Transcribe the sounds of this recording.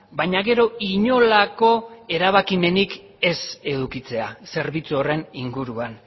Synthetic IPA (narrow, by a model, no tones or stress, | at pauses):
bajɲaɣe̞ɾo̞iɲo̞lako̞e̞ɾaβakime̞nik | e̞se̞ðukit͡se̞ase̞ɾβit͡suore̞niŋɡuɾuan